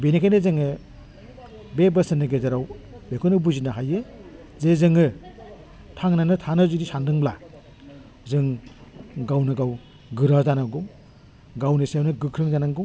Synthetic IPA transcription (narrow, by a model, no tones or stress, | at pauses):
benekʰajnezɯŋɯ | bebɐsɯnɯɡedaɾaw | bekʰunɯbuzinaɦajɯ | zezɯŋɯ | tʰaŋnanɯtʰanɯzudisandɯŋbla | zɯŋ | ɡawnɯɡaw | ɡɯɾazanaɡum | ɡawnɯsjawnɯɡɯkʰɾɯŋzanaɡu